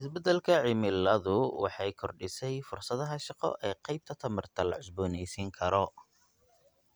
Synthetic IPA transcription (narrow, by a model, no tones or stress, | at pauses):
ɪsbɛd̪ɐlkʰɐʕɪmɪlɐðʊwɑ̰ħɑjkʰɔrɖɪsɛjfʊrsɐðɐɦɐʃɑqɔ̰ʔɛːqɛjb̚t̪ʰɐt̪ʰɐmɐrt̪ʰɐlɐ̰ʕʊsbɔːnɛjsiŋkʰɐɾɔ